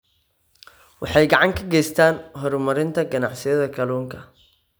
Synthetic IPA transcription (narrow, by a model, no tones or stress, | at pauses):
wɑħɑjɡɐʕɑŋkʰɐɡɛjst̪ʰaːnɦɔɾmɐɾɪnt̪ʰɐɡɐnɑʕsɪjɐðɐkʰɐluːŋkʰɐ